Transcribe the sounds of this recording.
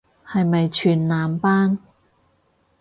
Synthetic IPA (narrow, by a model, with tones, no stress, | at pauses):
hɐ˨jmɐ˨jt͡ʃʰyː˨˩nːaː˨mpaː˥n